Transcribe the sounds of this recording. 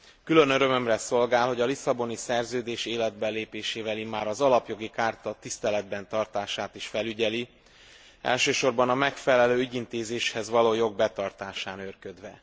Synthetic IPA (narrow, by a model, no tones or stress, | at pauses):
kylø̞nøɾø̞mø̞mrɛso̞lɡaːlho̞ɟɒlisɒbo̞nisɛrzøːd̪eːʃeːlɛd̪̚bɛlːeːpeːʃeːvɛlimːaːɾɒzɒlɒpjo̞ɡikaːrt̪ɒt̪ist̪ɛlɛd̪bɛnt̪ɒrt̪aːʃaːt̪iʃfɛlyɟɛli | ɛ̰lʃøːʃo̞rbɒnɒmɛkfɛlɛløːyɟint̪eːzeːʃhɛzʋɒloːjo̞ɡ̚bɛt̪ɒrt̪aːʃaːnørkød̪ʋɛ